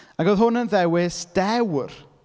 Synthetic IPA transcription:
aɡoðɦʊnənðɛwɪsd̥ɛwr

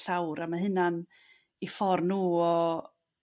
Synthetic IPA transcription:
ɬawɾamaɦɨnan | ifɔrnuːɔ

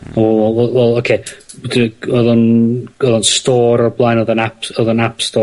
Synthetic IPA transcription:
ɔwɛɛɛwɛlˠokʰedəɔðɔnɔðɔnstɔːɾɔblˠajnɔðɔnapɔðɔnapstɔː

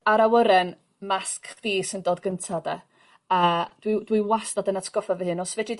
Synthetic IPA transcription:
aɾawəɾɛn | maskðiːsəndoːdɡəntʰadɛ̰ | əːd̥widwiwasdadənatʰɡ̥ɔfavəhɨnɔsvɛdi

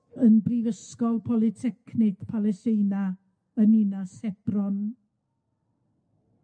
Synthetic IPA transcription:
ənbrivəskɔlˠpʰɔlˠɪtʰɛkʰnɪkpʰalˠɛstejna | əninasɛb̥rɔn

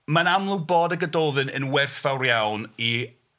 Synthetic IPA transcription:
manamlˠʊboːdəɡədoðɨnə̰nwɛrθv̥awrjawni

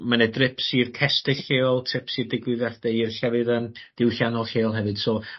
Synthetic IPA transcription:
manɛdrɪpʰsirkʰɛstɨɬeːɔlˠtʰrɪpsiːrdɪɡwɨðard̥ɛirɬɛvɨðəmd̥ɪwɬjanɔlˠɬeːlˠɦɛvɨd̥sɔ

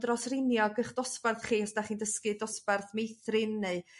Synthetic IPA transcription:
drɔsrɪnjɔɡəχd̥ɔsparθχiːɔsdaχiːndəskɨdɔsparθmejθrɪnːeɨ

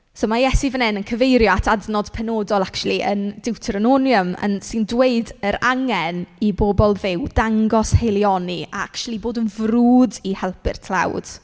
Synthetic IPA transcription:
soːmajɛsivənɛnənkʰəvejɾjɔatʰadnɔd̥pʰɛnoːdɔlˠakt͡ʃulˠiʔə̰ndɪwtʰəɾənonjəmə̰nsɨndweɨdəɾaŋɛniboːbɔlˠvɪwdaŋɡɔshejlˠjɔnia̰akt͡ʃulˠiboːdənvruːdihɛlˠpɪ̰r̥tʰl̥ˠa̰wd̥

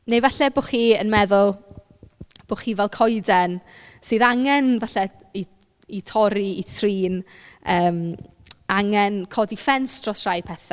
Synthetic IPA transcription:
nejvaɬɛboːχiːənmɛðʊlˠ | b̥oːχiːvɛlˠkʰɔjdɛn | sɨːðaŋɛnvaɬɛ | i | itʰɔɾiitʰriːnəːm | aŋɛnkʰɔdifɛnsd̥rɔsr̥ajpʰɛθa

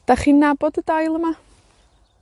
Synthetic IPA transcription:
d̥aχinːabɔdədajlˠəma

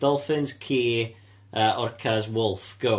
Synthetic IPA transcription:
d̥ɔlˠfɪnskʰiː | əːʔɔrkʰazwʊlˠfɡ̥o

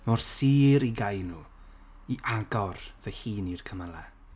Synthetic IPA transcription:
mɔrsiːɾiɡajnu | iʔaɡɔrvɛhiːnirkʰəməlˠɛ

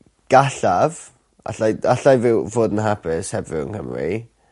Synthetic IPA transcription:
ɡ̥aɬav̥ | a̰ɬajaɬajvɪwvoːdənɦapʰɪshɛvrɪ̰wə̰nkə̰mrḭ

